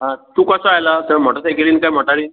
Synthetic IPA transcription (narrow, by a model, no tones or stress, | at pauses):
ɦãt̪ukasəajlat̪əm̤ɔʈat͡sekeliːnkajm̤ɔʈaɽiːn